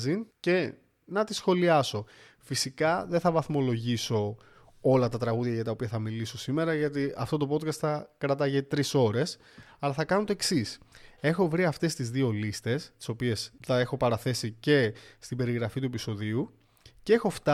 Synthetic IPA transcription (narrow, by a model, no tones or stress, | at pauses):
zince̞ | nɐt̪isxo̞liɐso̞ | fisikɐðeθɐvɐθmo̞lo̞ʝiso̞ | o̞lɐt̪ɐt̪ɾɐɣuðʝɐʝɐt̪ɐopiɐθɐmiliso̞sime̞ɾɐʝɐt̪iɐft̪o̞t̪o̞po̞t̪kɐst̪θɐkɾɐt̪ɐʝet̪ɾiso̞ɾe̞s | ɐlɐθɐkɐnot̪o̞eksise̞xo̞vɾiɐft̪e̞st̪izðio̞list̪e̞st̪i̥so̞pie̞sθɐe̞xo̞pɐɾɐθe̞sice̞st̪ibe̞ɾiɣɾɐfit̪uepiso̞ðiu | cee̞xo̞ft̪ɐ